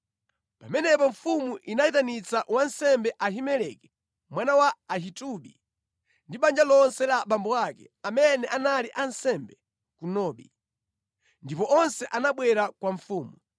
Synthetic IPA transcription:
pamɛnɛpɔɱfumuʔinaitanit͡saʔwansɛmbɛʔaɦimɛlɛkɛ̥ | mwanawaːɦituɓḭ | ndiɓand͡ʒalɔnsɛlaɓambɔakɛ̰ | amɛnɛʔanaliʔansɛmbɛ | kunɔːɓḭ | ndipɔʔɔnsɛʔanaɓwɛɾakwaɱfuːmu

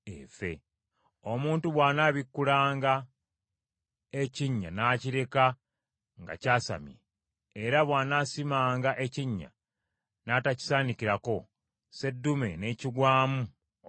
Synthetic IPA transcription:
ḛfe̞̰ | omuːntuβwaːnaːβikːulaːŋɡa | e̞ciɲːa̰naːciɾe̞ka | ŋɡa̰caːsa̰mje | eɾaβwaːnasimaːŋɡaʔe̞ciɲːa̰ | nataci̥saːnikiɾako̞ | se̞dːume̞̰ne̞ciɡwaːmu

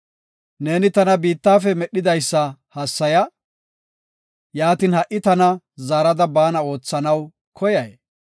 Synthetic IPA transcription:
ne̞ːnɪt̪ɐnɐbiːt̪ːaːfɛmɛɗːɪd̪ɐjsːɐhɐsːɐjɐ | jaːt̪iːnhɐʔɪt̪ɐnɐ | zaːɾɐd̪ɐbaːnɐo̞ːt͡sːɐnɐw | kʰɔjɐj

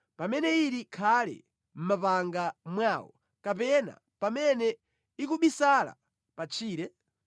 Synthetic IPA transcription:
pamɛnɛiɾikʰalɛ̰ | m̩mapaŋɡamwaːwɔ̰ | kapɛna̰ | pamɛnɛ | ikuɓisala̰ | pat͡ʃʰiːɾɛ

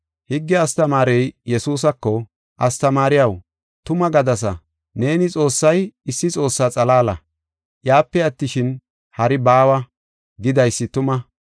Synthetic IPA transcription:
hɪɡːɛɐst̪ɐmaːɾɛjjɛsuːs̬ɐkːɔ | ʔɐst̪ɐmaːɾɪjɐw | t̪ʊmɐɡɐd̪ɐs̬ɐ | ne̞ːnɪt͡sʼo̞ːsːɐjɪsːɪt͡sʼo̞ːsːaːt͡sʼɐlaːlɐ | jaːpːɛɐt̪ːɪʃɪn | hɐɾɪbaːwɐ | ɡɪd̪ɐjsːɪt̪ʊmɐ

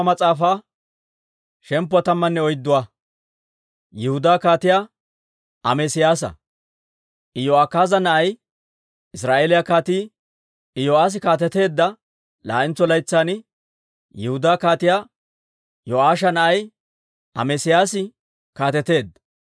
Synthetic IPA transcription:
mɐt͡sʼaːfaː | ʃɛmpːʊɐt̪ɐmːɐnːɛɔjd̪ːʊwaː | jɛhʊd̪aːkaːt̪ɪjaː | ʔɐ̰mɛsɪjaːs̬ɐ̰ | ʔɪjoakːaːzɐnɐʔɐj | ɪsɾaːʔeːlɪjakaːt̪iː | ɪjoaːs̬ɪkaːt̪̬ɛt̪e̞ːd̪ːɐ | la̰ːʔɪnt͡sɔlɐjt͡sːaːnɪ | jɛhʊd̪aːkaːt̪ɪjaː | joʔaːʃ̬ɐnɐʔɐj | ɐ̰mɛsɪjaːsɪ | kaːt̪ɛt̪e̞ːd̪ːɐ

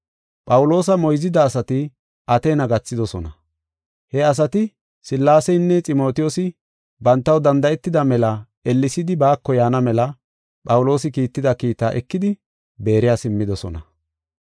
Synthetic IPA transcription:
pʼɐwʊlo̞ːs̬ɐmɔjzɪd̪ɐːsɐt̪ɪ | ʔɐt̪eːnɐɡɐt͡sːɪd̪ɔsɔnɐ | hɛɐs̬ɐt̪ɪ | sɪlːaːsɛjnːɛt͡sʼɪmo̞ːt̪ɪjɔsɪ | bɐnt̪ːɐwd̪ɐnd̪ɐɛt̪ːɪd̪ɐmɛlɐ | ɛlːɪsɪd̪ɪbaːkːɔjaːnɐmɛlɐ | pʼɐwʊlo̞ːsɪkiːt̪ːɪd̪ɐkiːt̪aːʔɛkːɪd̪ɪ | be̞ːɾɪjaːsɪmːɪd̪ɔsɔ̰nɐ

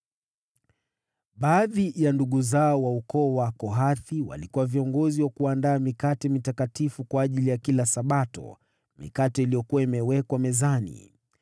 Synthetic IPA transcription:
ɓaːðijanduɠuzaɔwaukɔːwakɔɦaθiwa̰likuwaviɔŋɡɔziwakuandaːmikatɛmitakatifukwaːʄilijakilasaɓatɔ̰ | mḭkatɛilijɔkuwaimɛwɛkwamɛzanḭ

